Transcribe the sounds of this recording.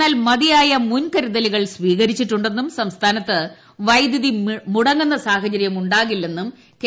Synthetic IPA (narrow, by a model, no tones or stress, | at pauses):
aːlmɐðijaːjɐmunkɐɾiðɐliɣɐɭsʋiːɣɐɾit͡ɕːiʈːuɳɖe̞nːumsɐmst̪ʰaːnɐt̪ːɨ | ʋɐjd̪jiðimuɽɐŋɡɐnːɐsaːɦɐd͡ʑɐɾjɐmuɳɖaːɣilːe̞nːum | k